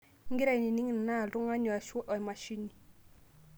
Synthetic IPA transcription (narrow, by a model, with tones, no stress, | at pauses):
ŋɡɪ˦ɾa˦i˨ni˨ni˦ŋ˨n˨na˦˨tʊ˦ŋa˦ɲɔ˨a˨ʃɔ˦ʔɔ˨i˨ma˨ʃi˦ni˨